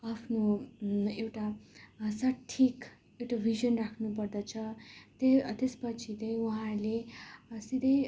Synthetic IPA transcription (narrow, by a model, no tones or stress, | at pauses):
apʰno | ewʈasʌʈʰːik | ewʈabʱiʒʌnrakʰnup̬ʌrd̪ʌt͡sʰʌt̪et̪espʌt͡sʰit̪ʌj̃uɦãɾlesid̪ʌj